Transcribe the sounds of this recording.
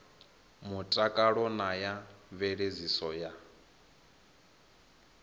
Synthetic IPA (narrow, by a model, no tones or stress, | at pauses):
mutʼakʼaɺɔnajaβeɺezisɔja